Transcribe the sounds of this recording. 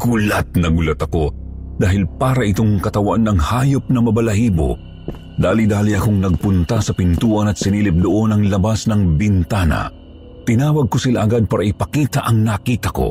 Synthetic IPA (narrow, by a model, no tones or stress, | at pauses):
ɡ̥ʊlat̪̚nɐɡʊlɐt̪ɐko̞d̪aːɦɪlpaːɾɐʔɪt̪oŋkɐt̪ɐwanːɐŋhaːjop̚nɐmɐbɐlɐhiːbo̰ | d̪aːlid̪aːliɐkoŋnɐɡ̚pʊnt̪asɐpɪnt̪uːʔɐnɐt̪sɪniːlɪp̚d̪ʊʔo̞nɐŋlɐbasnɐŋbɪnt̪aːnɐ̰ | t̪ɪnaːwɐɡ̚kosɪla̰ʔɐɡad̪̚paːɾɐʔɪpɐkiːt̪ɐʔɐŋnɐkiːt̪ɐko̞̰